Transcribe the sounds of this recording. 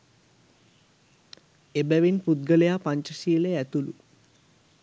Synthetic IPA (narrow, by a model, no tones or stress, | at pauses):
ebæʋinput̪̚ɡəlejaːpaɲt͡ʃəsiːleæt̪ulu